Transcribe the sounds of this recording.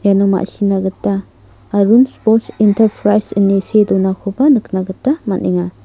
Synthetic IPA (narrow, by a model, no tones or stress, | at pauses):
janɔma̰ʔsinaɡɯtːaː | ɾunspɔɾtintʰɐɾpʰɾajsɯnesedɔnakʰɔbanɯknaɡɯtːamaniŋa